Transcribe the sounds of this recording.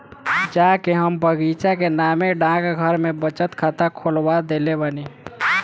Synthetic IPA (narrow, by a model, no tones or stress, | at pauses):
d͡ʒakeɦəmbʱəɡit͡ʃakenameɖãkɡʱəɾmebət͡ʃət̪kʰat̪akʰolbad̪elebani